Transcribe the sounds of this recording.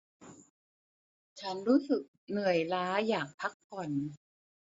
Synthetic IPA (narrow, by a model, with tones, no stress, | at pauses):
t͡ɕʰa˦˥nɾuː˦˥sɯ˨˩k̚nɯ˨˩əjlaː˦˥jaː˨˩k̚pʰa˦˥kpʰːɔ˨˩n